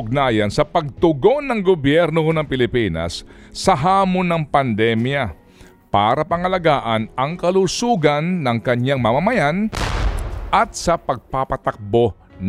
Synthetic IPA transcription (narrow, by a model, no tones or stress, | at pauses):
ʊɡ̚naːjɐnsɐpɐɡ̚t̪ʊɡo̞nːɐŋɡobjɛɾnohonɐŋpɪlɪpiːnɐ̰sː | ɐɦaːmonːɐŋpɐnd̪ɛmjɐ | paːɾɐpɐŋɐlɐɡaːʔɐnɐŋkɐlusuːɡɐnːɐŋkɐɲaŋmɐmɐmɐjan | ʔɐt̪̚sɐpɐɡ̚papɐt̪ɐk̚bo | n